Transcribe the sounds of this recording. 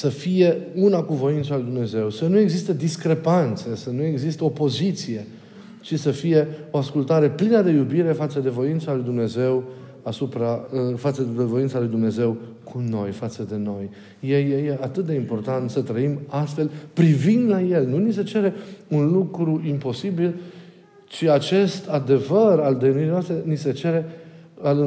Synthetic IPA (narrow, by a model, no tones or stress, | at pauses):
səfije̞unakuvo̞int̪salujd̪umne̞ze̞wsənue̞ɡzist̪ed̪iskɾe̞pant̪sesənue̞ɡzist̪eopo̞zit̪sije̞ | t͡ʃisəfije̞o̞askult̪aɾe̞plinəd̪e̞jubiɾe̞fat̪səd̪e̞vo̞int̪salujd̪umne̞ze̞w | asupɾafat̪səd̪e̞vo̞int̪salujd̪umne̞ze̞w | kʰuno̞jfat̪səd̪e̞no̞j | jejejeat̪ɨt̪̚d̪e̞impo̞rt̪ant̪sət̪ɾəimast̪fe̞lpɾivind̪lajelnunise̞t͡ʃe̞ɾe̞unlukɾuimpo̞sibil | t͡ʃiat͡ʃe̞st̪ad̪e̞vərald̪eniɾijnoast̪ɾe̞nise̞t͡ʃe̞ɾe̞al